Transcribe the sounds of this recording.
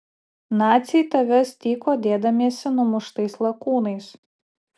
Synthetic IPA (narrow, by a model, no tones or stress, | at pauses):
nɑːt̪sʲit̪ɐʋʲɛsʲt̪ʲiːkoːd̪ʲeːd̪ɐmʲiɛsʲɪnʊmʊʃt̪ɐɪslˠɐkuːnɐɪs